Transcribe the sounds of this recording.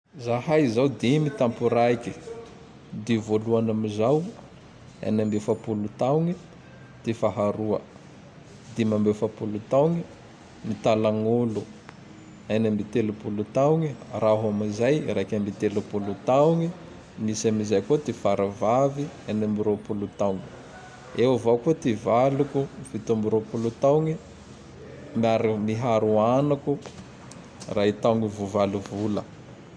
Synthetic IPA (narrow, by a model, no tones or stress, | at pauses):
zahajzawd̪imit̪ampuɾaiki | d̪ivoluanamizaw | a̰nambefapulut̪awŋi | d̪̥efaɦaɾuə̰ | d̪imambefapulut̪awŋi | mit̪alaŋolu | anambit̪elupulut̪awŋiraɦamizajɾakʲambit̪elupulut̪awŋi | misamizajkot̪ifaɾavavianambiɾopulut̪awŋi | ewavawkot̪ivalukufit̪ambiɾopulut̪awŋi | maɾmiɦaɾuanaku | rait̪awŋivuvaluvulə